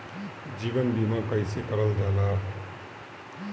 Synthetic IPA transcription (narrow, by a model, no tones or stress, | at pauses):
d͡ʒiːbənbimakəɪsekəɾəld͡ʒala